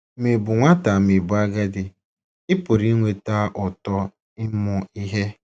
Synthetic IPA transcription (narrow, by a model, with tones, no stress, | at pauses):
mi˨bʊ˨ŋʷa˦ta˨mi˨bʊ˨a˦ɡa˦dɪ˨ | ɪ˦pʊ˨ɾi˦ŋʷe˨ta˦ʔʊ˨tɔ˦ | ɪ˦mʊ˨i˦ɦe˦